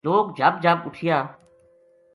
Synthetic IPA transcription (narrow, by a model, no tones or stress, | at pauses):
loːkd͡ʒaːb̚d͡ʒʱaːbʊʈʰɪjãː